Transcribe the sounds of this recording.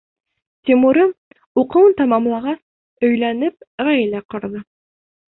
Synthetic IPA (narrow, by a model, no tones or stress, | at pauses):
t̪ʲimuɾɤ | uqɤ̆wɤnt̪ɑmɑmlˠɑʁɑs | ɵ̆jlænɘp̚ʁæjlæqŏɾðɤ